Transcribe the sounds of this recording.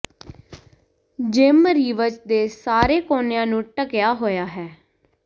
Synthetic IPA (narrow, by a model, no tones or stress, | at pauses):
d͡ʒɪmɾiːʋət͡ʃd̪eːsaːɾeːkoːnejãːnũːʈəkjaːɦoːjaːɦɛː